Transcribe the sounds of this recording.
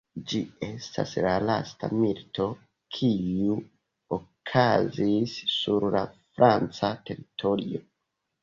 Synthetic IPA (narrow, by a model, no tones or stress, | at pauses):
d͡ʒie̞stʰa̰slalasta̰milto̞ | kʰiu | okʰazisːuɾlafɾʔant͡sate̞ɾitʰoɾio